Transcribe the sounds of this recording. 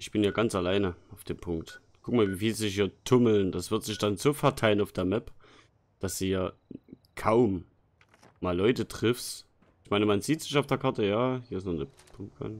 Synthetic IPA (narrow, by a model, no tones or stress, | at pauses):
ʔɪçb̥ɪnjaːɡant͡salaɪnəaʊfd̥eːmpʰʊŋk̚t | kʰʊk̚maːlviːfiːlzihiːɐtʰʊml̩nd̥asv̥ɪɐtz̥ɪçd̥anzoːfɛɐtʰaɪlənaʊfd̥eːɐmɛp | d̥asd̥uːjaː | kʰaʊm | maːlɔʏtətʁ̥ɪfs | ɪçmaɪnəmanziːtz̥ɪçaʊfd̥eːɐkʰaɐtəjaːhiːɐɪsnɔde | pʰʊmpkʰa̰n